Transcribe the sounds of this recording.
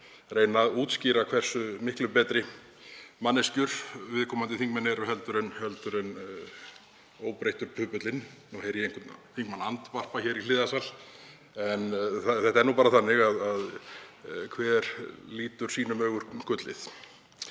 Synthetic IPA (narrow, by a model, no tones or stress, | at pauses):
reːjnaðuːt̪sciːɾakʰv̥ɛr̥sʏmɪhklʏpɛːt̪ɾɪ | manːɪscʏɾ̥vɪðkʰɔːmant̪ɪθiŋkmɛnːɛɾɦɛlt̪ʏɾʏnhɛlt̪ʏɾʏn | oːwpɾejht̪ʏɾ̥pʰʏːpʏt̪lɪnnuɦejɾjɛeŋkʰʏt̪nθiŋkmanant̪var̥paçɛɾilɪːðasal | ɛnθaθɛht̪aɛɾnuːpaːɾaθanːɪɣaðað | kʰvɛːɾliːt̪ʏɾ̥siːnʏmœːɣʏɾ̥kʰʏt̪lɪ̰θ